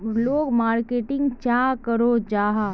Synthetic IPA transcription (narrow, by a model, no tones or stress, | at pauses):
loːɡmaːɾkeːʈɪ̃ŋɡt͡ʃjaːkəɾod͡ʒaːɦa